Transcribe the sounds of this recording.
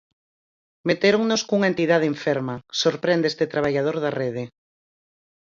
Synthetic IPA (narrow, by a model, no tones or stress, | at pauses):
met̪eɾoŋnoskuŋaent̪iðað̞eɱfeɾmasoɾpɾend̪est̪et̪ɾaβ̞aʎað̞oɾðareð̞e